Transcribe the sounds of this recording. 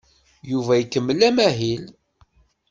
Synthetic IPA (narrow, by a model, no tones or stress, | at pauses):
juvæjkːəmːəlːæmæɦil